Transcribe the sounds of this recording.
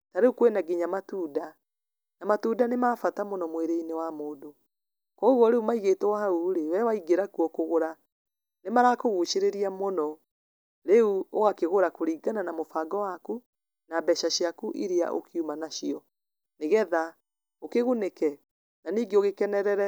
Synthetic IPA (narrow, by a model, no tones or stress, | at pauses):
taɾeukwenaɡiɲamatuːda | namatuːdanemaːfatamonɔmweɾeinewamoːdo | kɔoɣwɔɾeumaiɣetɛwahauɾewɛwaiɡeɾakuɔkoɣoɾa | nemaɾakoɣuʃeɾeɾiamɔnɔ | ɾeuoɣakeɣoɾakoɾiːɡananamofaɡɔwaku | nabɛʃaɕiakuʔiɾea̰ʔo̰kiumanaʃiɔ | neɣɛða | okeɣonekɛ | naniːɡeoɣekɛnɛɾɛɾɛ